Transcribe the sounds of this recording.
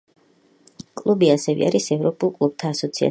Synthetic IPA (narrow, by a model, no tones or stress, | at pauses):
kʼlˠubiasɛvɛ̰a̰ɾisɛvɾɔpʼulˠkʼlˠub̥̚t̪ʰaːsɔt̪sʰia̰